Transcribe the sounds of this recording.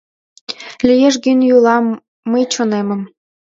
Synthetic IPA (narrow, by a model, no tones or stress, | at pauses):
lijeʃ̬ɡynjulɑmː | əjt͡ɕonemə̆m